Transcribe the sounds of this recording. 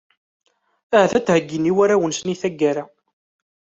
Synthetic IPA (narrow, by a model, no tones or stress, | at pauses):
æhθæt͡sːhəɡːiniwæɾæwənsniθæɡːæɾa